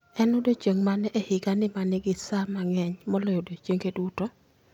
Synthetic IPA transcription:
ɛnodot͡ʃeŋmanʔehɪɡanɪmanɪɡɪsamaŋɛɲmɔlɔjodot͡ʃeŋɡeduto

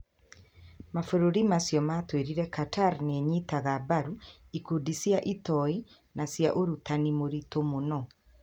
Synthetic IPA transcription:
mafoɾoɾimasjɔmatweɾiɾɛkatʰaɾneɲitaɣabaɾu | ikudisijaʔitɔi | nasjaʔoɾutanimoɾitomonɔ

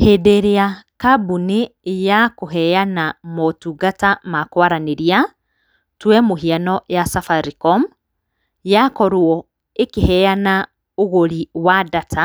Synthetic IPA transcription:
hedeɾeakabunejakoɦɛjanamɔtuɡatamakwaɾaneɾia | twɛmoɦianɔjasafaɾikɔm | jakɔɾwɔ | ekehɛana | oɣoɾiwadatʰa

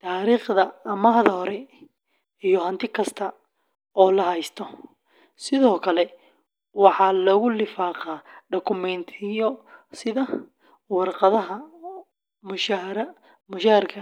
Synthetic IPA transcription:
t̪ʰaːɾiːχdɐɐmɐɦðɐɦɔɾɛ | ijɔɦɐnt̪ʰɪkʰɐst̪ʰɐ | ɔːlɐɦɛjst̪ʰɔ | sɪðɔːkʰɐlɛ | wɑħɑlɔɣʊlɪfaːqɑːɖɔkʰʊmɛnt̪ʰɪjɔsɪðɐ | wɑrqɑðɐɦɐ | mʊʃɾɐ | mʊʃaːrkʰɐ

